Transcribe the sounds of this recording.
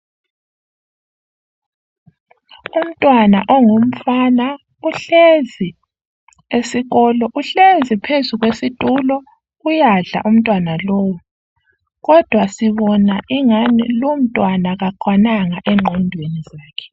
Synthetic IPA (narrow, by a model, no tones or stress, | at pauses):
um̩tʼwanaʔɔŋom̩fana | uɬezi | esiɣɔlɔʔuɬezipʰezuɣwesitʼulɔ | ujaɮa̰ʔum̩tʼwanalɔːwu | ɣɔd̥ʱwasiβɔnaʔiŋanilum̩tʼwanaɣaǃwanaŋaʔɛŋ͡ǃʱɔndʱwenizaːkʰɛ̥